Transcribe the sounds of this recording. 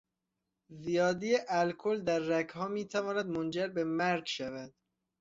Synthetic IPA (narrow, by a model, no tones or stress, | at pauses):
zijɒːd̪ijeʔælkʰold̪æɾːækhɒːmiːt̪ʰævɒːnæd̪mond͡ʒæɾbemæɾɡʃævæd̪̥̚